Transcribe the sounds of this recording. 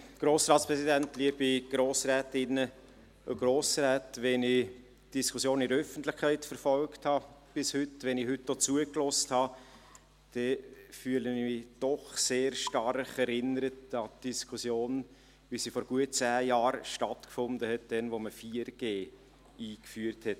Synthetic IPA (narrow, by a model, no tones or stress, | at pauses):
ɡ̥ɾoːsɾɑːtspɾɛsidæntliəb̥iɡ̥ɾoːsɾɛːtɪnːə | o̰ɡ̥ɾoːsɾɛːtʋɛnɪ | d̥iskʰusjoːnɪdɾəœfəntlɪçkʰæɪtfəɾfɔlkthɑb̥ɪshʏtʋɛnɪhʏtːdoːt͡suəklɔsthɑ | d̥ɛfyːələnɪmɪd̥ɔχseːɾʃtɑrχɛɾɪnəɾətɑtd̥iskʰusjoːn | ʋisiːfɔɾɡ̥uət̚t͡sæːjɑːɾʃtɑtkfʊndəhɛt̚d̥ɛnʋoməfiːəɾɡ̥eː | iːkfyːərthɛt